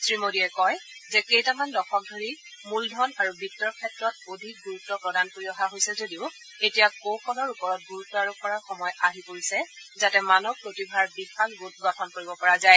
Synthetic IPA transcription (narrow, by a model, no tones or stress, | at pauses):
sɹimodiɛkɔjzɛkejtamandɔxʰɔk̚dʱoɹi | muldʱɔnaɹubʱitːɔɹkʰɛtɹɔtodʱik̚ɡuɹutːɔpɹɔdankoɹiɔɦaɦojsɛzodiʊ | etijakokʰɔnɔɹupɔɹɔt̚ɡuɹutːɔaɹupɔɹaxɔmɔjaɦipoɹisɛzatɛmanɔpɹotibʱaɹbixalɡut̚ɡapʰɔnkoɹibɔpɔɹazaj